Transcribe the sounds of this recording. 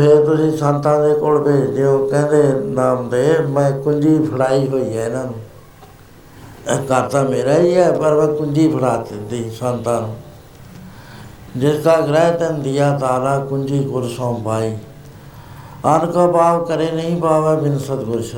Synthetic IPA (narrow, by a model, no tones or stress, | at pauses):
pʰeɾt̪ʊsĩːsãːnt̪ãːnd̪eːkoɽbeːd̪ɪjõːkɛ̃ːnd̪eːnaːmd̪eːmɛ̃ːkʊɲd͡ʒiːpʰəɽaːiːɦoːiːɦɛːnən | kaːɾt̪aːmeːɾaːiɛːpəɾmɛ̃ːkʊ̃nd͡ʒiːpʰəɽaːt̪d̪iːsaːnt̪aːn | d͡ʒɪskaːɡɾɛːt̪end̪ijaːt̪aːɾaːkʊɲd͡ʒiːkʊɾsõːpaːiː | aːnkaːbaːʋkəɾeːnəɦĩpaːʋɛːbɪnsət̪ɡʊɾʃʰ